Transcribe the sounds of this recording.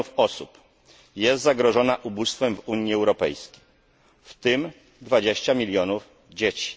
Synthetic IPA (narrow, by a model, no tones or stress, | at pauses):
ufɔsup | jɛst̪zaɡɾɔʐɔnaʔubust̪fɛmvuɲiɛwɾɔpɛ̰jskʲe̥j | ft̪ɘm | d̪vad͡ʑeɕt͡ɕamʲilʲjɔnuf | d͡ʑet͡ɕi̥